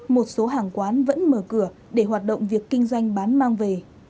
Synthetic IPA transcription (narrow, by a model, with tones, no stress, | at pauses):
mo˨˩t̚so˨˦ɦaː˧˩ŋkwaː˨˦nvə̰˧˥nməː˧˩kɨ˧˩ə | ɗe˧˩ɦwaː˨˩t̚ɗo̰˧˨wŋ͡mvi˨˩əkːï˧ŋ̟zwa˧jŋ̟ɓaː˨˦nmaː˧ŋve˨˩